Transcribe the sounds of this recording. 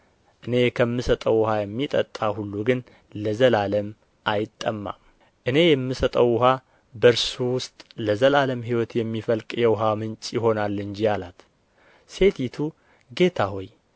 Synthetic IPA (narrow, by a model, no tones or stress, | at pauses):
ʔɨne̞kʰəmːɨsət̪ʼəwhajɛmːit̪ʼə̰t̪ʼːahulːuɡɨn | ləzəlaləm | ʔajɪt̪ʼːəmːa̰ | ʔɨne̞jɛmːɨsət̪ʼəwʊɦa | bəɾsuwʊst̪ʼləzəlaləmɦiwɔt̪jɛmːifəlkʼjɛwʊɦamɨnt͡ʃʼjɪɦo̞nalːɨnd͡ʒialat̪ | se̞t̪ʰit̪ʰu | ɡe̞t̪ʰaɦo̞j